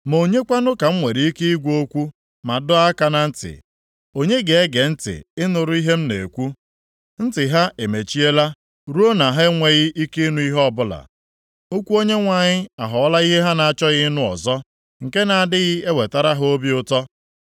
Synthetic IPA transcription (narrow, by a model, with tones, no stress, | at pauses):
mo˨ɲe˦kʷa˦nʊ˦ka˨m̩˦ŋʷe˨ɾi˦i˦ke˦i˦ɡʷo˦kʷu˦ | ma˨dʊ˦a˦ka˨na˨n̩˦tɪ̰˨ | o˦ɲe˦ɡe˨e˦ɡe˨n̩˦tɪ̰˨ɪ˦nʊ˨ɾʊ˦i˦ɦe˦m̩˦nḛ˨kʷu˦ | n̩˦tɪ˨ɦa˦e˨me˨t͡ʃi˦e˦la˦ | ɾu˦o˦na˨ɦe˦ŋʷe˦ɣɪ˦i˦ke˦nu˦i˦ɦɔ˦bʊ˦la̰˨ | o˦kʷu˦o˦ɲe˦ŋʷa˨ɲɪ˦a˨ɦɔ˨ɔ˦la˦i˦ɦe˦ɦa˦na˨a˨t͡ʃɔ˦ɣɪ˦nʊ˦ɔ̰˨zɔ˦ | ŋ̩˨ke˦na˨a˨dɪ˦ɣɪ˦e˦we˨ta˦ɾa˦ɦo˦bi˦ʊ˦tɔ˦